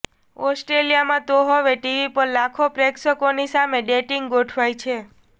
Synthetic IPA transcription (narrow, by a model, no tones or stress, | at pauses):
ɔsʈɾelijamãt̪oɦoʋeʈiʋipəɾlakʰopɾeksəkonisameɖeʈiŋɡɡoʈʰʋajt͡ʃʰe